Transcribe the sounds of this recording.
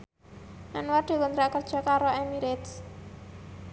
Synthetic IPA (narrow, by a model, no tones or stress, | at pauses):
ʔanwarɖ̪̥e̤kunt̪ɾaʔkərd̥ʒ̥ɔ̤kaɾoɛmiɾet̪s